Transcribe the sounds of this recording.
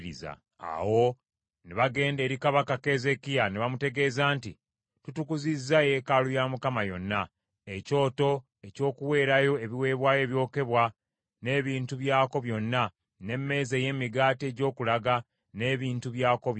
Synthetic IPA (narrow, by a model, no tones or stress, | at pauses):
ɾiza̰ | a̰wo̞ | neβaɡe̞ːnde̞ːɾikaβakake̞ze̞kijaneβamute̞ɡe̞ːzaːnti | tutukuzizːaje̞kalujamukamajo̞nːa | eco̞ːto̞ | e̞co̞ːkuwe̞ːɾajo̞e̞βiwe̞ːβwaːje̞ːβjo̞ːke̞βwa | ne̞ːβiːntuβjaːko̞βjo̞nːa | ne̞mːe̞ːzeːje̞ːmiɡaːte̞ːɟo̞ːkulaɡa | ne̞ːβiːntuβjaːko̞